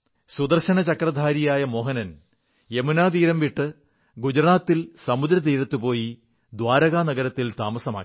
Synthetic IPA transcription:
sud̪ɐrɕɐnɐt͡ɕɐkrɐd̪ʱaːɾijaːjɐmo̞ːɦɐnɐn | emunaːt̪̬iːɾɐmʋiʈːɨ | ɡud͡ʑɐɾaːt̪ːilsɐmud̪ɾɐt̪̬iːɾɐt̪ːupo̞ːji | d̪ʋaːɾɐɣaːnɐɡɐɾɐt̪ːilt̪aːmɐsɐma̰ː

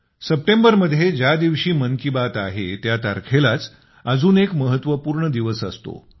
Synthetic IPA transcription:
səp̚ʈembəɾməd̪ʱːjed͡ʑad̪iʋɕiːməŋkibat̪aɦet̪jat̪a̰ɾkʰelat͡s | əd͡zuːnekməɦət̪ʋəpuːɾɳəd̪iʋəsə̰st̪o̰

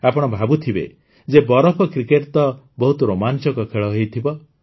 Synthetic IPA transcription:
apɔɽ̃ɔbʱabut̪ʰibḛ | d͡ʒebɔɾɔpʰɔkɾikeʈt̪ɔ | bɔɦut̪ɔɾomant͡ʃɔkɔkʰeɭɔɦejt̪ʰibɔ

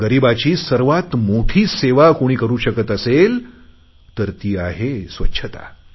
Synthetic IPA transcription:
ɡəɾibat͡ɕiːsəɾʋat̪moʈʰiːseʋakoɽ̃iːkəɾuːɕəkət̪əsel | t̪əɾt̪iːaɦesʋətːɕʰət̪a̰

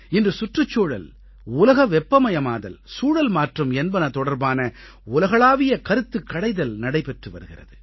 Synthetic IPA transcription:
ɪndrɯsʊʈrɯt͡ʃːoːɻɐ̰l | ʊlɐɣɐʋɛpːɐmɐjɐmaːðɐ̰lsuːɻɐlmaːʈrɯmɛnbɐnɐt̪ɔɽɐɾbaːnɐ | ʊlɐɣɐɭaːʋɪjɐkɐɾɯt̪ːɯkːɐɽɐɪðɐlnɐɽɐɪpɛʈrɯʋɐɾɯɣɪrɐ̰ðɯ

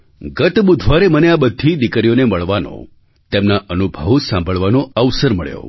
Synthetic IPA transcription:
ɡət̪bud̪ʱʋaɾeməneabəd̪ʱːid̪ikɾijoneməɭʋanõ̰ | t̪emnaʔənubʱəʋsãmbʱəɭʋanoəʋsəɾməɭjo̰

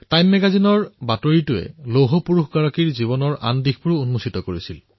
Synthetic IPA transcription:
tajmːɛɡazinɔɹbatoɹitʊɛ̰loɦɔpuɹuxɡaɹakiɹziβɔnɔɹʔa̰ndixpuɹuunmusitɔkoɹisil

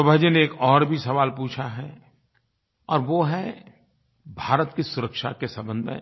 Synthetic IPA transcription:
obʱɐd͡ʒəneːkɔːɾbʱisɐʋaːlpuːt͡ʃʰaɦɛ | ɔːɾʋoɦɛ | bʱaːɾət̪kisʊɾəkʃa̰kesɐ̃mbə̃nd̪mḛ̃

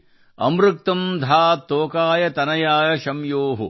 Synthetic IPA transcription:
ɐ̰mɾɨk̚t̪ɐmd̪ʱaːt̪oːkaːjɐt̪ɐnɐjaːjɐʃɐmjoːɦṵ

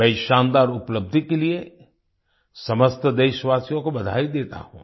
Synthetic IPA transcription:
bɐɪʃãːnd̪aːɾʊpləb̚d̪ʱikelie | sɐməst̪əd̪eːʃʋaːsijõkobɐd̪ʱa̰ːid̪eːt̪a̰ɦṵ̃ː

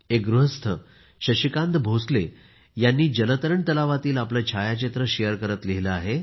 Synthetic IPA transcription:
ek̚ɡɾuɦəst̪ʰə | ɕəɕikãnd̪bʱosle | janːiːd͡ʑələt̪əɾəɳt̪əlaʋat̪iːlaplat͡ɕʰajat͡ɕet̪ɾəɕejəɾkəɾət̪liɦiləaɦe

